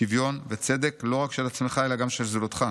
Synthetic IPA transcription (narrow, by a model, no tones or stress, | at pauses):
ivjo̞nvet͡se̞d̪e̞klo̞ʁakʃe̞lat͡sme̞χaelaɡamʃelzulot̪χa